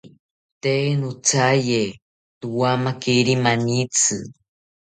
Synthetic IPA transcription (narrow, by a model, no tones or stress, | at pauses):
t̪enut͡saje | t̪uwamakiɾimanit͡sɨ